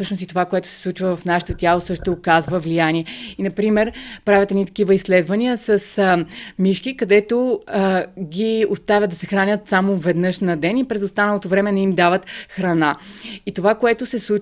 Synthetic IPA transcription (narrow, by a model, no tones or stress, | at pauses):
sɤʃnost̪it̪ovakoɛt̪o̥sɛ̥slˠut͡ʃvəvɐfnaʃɛ̥t̪ot̪ʲjalˠosɤʃt̪ʊːkazvəvlijaniɛinɐpɾimɛɾpɾavʲət̪ɛnit̪ɐ̥k̟ivəisːlɛd̪vɐniəsɐsmiʃkikɐd̪ɛt̪o | ɡʲiost̪avʲjəd̪ɐsɛxɾanʲət̪samovɛd̪nɤʃnɐd̪ɛnipɾɛzost̪anɐlˠot̪ovɾɛmɛnɐimd̪avət̪xɾɐnait̪ovakoɛt̪osɛslˠu